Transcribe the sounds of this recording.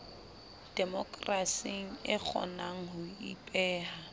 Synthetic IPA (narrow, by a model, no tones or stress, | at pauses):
d̥ɛmɔkʼrasiŋ̩ɪk͡xʰɔ̰naŋ̩hʊipʼɛːha